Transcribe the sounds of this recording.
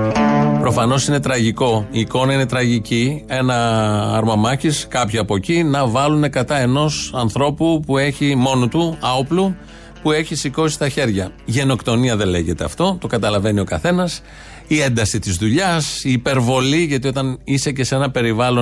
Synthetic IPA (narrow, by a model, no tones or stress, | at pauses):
pɾo̞fɐno̞sine̞t̪ɾɐʝiko̞iːko̞nɐine̞t̪ɾɐʝicie̞nɐɐ̰ɾmɐmɐçiskɐpçiɐpo̞cinɐvɐlune̞kɐt̪ɐe̞no̞sɐnθɾo̞pupue̞çimo̞nut̪uɐoplu | pue̞çisiko̞si̥st̪ɐçe̞ɾʝɐʝe̞no̞kt̪o̞niɐðe̞le̞ʝe̞t̪e̞ɐ̰ft̪o̞t̪o̞kɐt̪ɐlɐve̞nio̞kɐθe̞nɐs | ie̞nd̪ɐsit̪izðuʎɐsiːpe̞ɾvo̞liʝɐt̪io̞t̪ɐnise̞ce̞se̞nɐpe̞ɾivɐlo̞